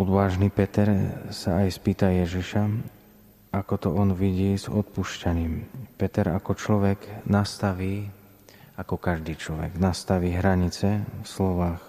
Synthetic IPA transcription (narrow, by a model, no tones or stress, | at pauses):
ɔd̪ʋaːʒniːpɛt̪ɛɾsaajspiːt̪ajɛʒiʃa | akɔt̪ɔɔnʋiɟiːzɔt̪̚puʃcaɲiːmpɛt̪ɛɾa̰kɔt͡ʃlɔʋɛɡnast̪aʋiː | akɔkaʒd̪iːt͡ʃlɔʋɛ̰ɡnast̪aʋiːɦɾaɲit͡sɛfslɔʋaːx